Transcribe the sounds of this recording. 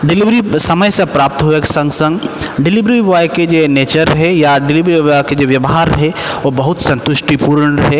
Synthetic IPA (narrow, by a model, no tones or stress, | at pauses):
ɖɪliʋɾisɐməjsẽpɾaːp̚t̪ɦoeksɐ̃ŋɡsɐ̃ŋɡɖɪlɪʋɾiʋaːjked͡ʒoːneːt͡ʃəɾɦɛjaɖɪlɪʋɾiaked͡ʒoʋjɐʋɦaːɾɦɛʋobɐɦʊt̪sɐ̃nt̪ʊʃʈipuːɾəɳɦɛ